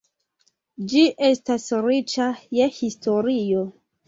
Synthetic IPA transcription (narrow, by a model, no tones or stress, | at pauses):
d͡ʒiʔe̞stasɾit͡ʃajehistʰo̞ɾijo